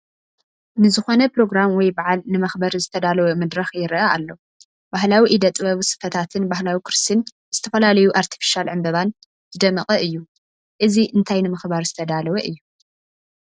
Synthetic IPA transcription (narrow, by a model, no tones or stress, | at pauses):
nɨzɨxo̞nɐpɾo̞ɡɾamwɔjbaʕalnɨmɐxbɐɾzɨt̪ʰɐd̪alɐwɐmɨd̪ɾɐxjɪɾʔaalːo | b̥ahlawiʔid̪ɐt̪ʼβɐβisɨ̥fɐt̪ʰat̪ʰɨnbahlawikɾɨst̪ʰin | z̥ɨt̪ʰɐfɐlalɐjuʔaɾt̪ʰi̥fi̥ʃialʕɨmbɐβan | t̪ʰɨd̪ɐmɐχʼɐʔɨjːu | ʔɨziʔɨnt̪ʰajnɨmɐxbaɾzɨt̪ʰɐd̪alɐwɐʔɨjːu